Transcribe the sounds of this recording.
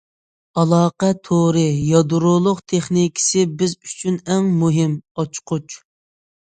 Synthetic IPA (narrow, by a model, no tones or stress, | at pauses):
ɑlˠɑːqɛt̪ʰoɾɨjɑd̪uɾʊlˠʊqt̪ʰeχnikʲʰɪ̥sɪbɪzy̥t͡ʃʰynɛŋmuɦɪmɑt͡ʃqʊt͡ʃ